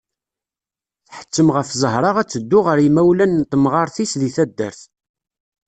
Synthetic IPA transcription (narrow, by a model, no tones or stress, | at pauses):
θħə̥t͡sːəmʁəfzˤəɦɾˤɑʁæt͡sːəd̪ːʊʁəɾimæwlænːt̪ːəmʁɑɾˤθisðiθæd̪ːə̰ɾθ